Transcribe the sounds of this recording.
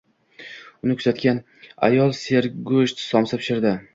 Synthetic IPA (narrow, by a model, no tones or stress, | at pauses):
ʊnɪkʲʰɵzat̪kʲan | a̰jɒlˠse̞ɾɡɵʃt̪sɒmsapʰʃɪɾd̪ɪ